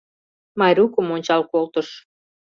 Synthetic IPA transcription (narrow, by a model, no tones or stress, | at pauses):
mɑjɾukəmonʲt͡ɕɑlkolt̪əʃ